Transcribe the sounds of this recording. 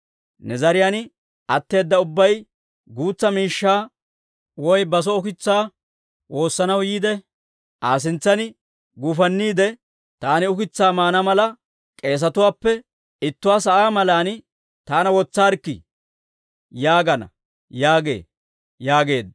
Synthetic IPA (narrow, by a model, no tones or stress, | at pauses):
nɛzɐɾɪjan | ʔɐt̪ːe̞ːd̪ːɐʊbːɐj | ɡuːt͡sːɐmiːʃːaː | wɔjbɐs̬ɔʊkɪt͡sːaː | wo̞ːsːɐnɐwjiːd̪ɛ | ʔaːs̬ɪnt͡sːɐnɪ | ɡʊfɐnːiːd̪ɛ | t̪aːnɪʊkɪt͡sːaːmaːnɐmɐlɐ | kʼe̞ːs̬ɐt̪ʊwaːpːɛ | ɪt̪ːʊwaːsɐʔaːmɐlaːn | t̪aːnɐwɔt͡sːaːɾkːɪ̰ | jaːɡɐnɐ̰ | jaːɡe̞̰ː | jaːɡe̞ːd̪ɐ